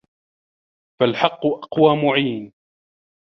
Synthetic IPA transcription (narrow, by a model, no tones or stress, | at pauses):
falħɑqːʊʔɑqwaːmʊʕiːn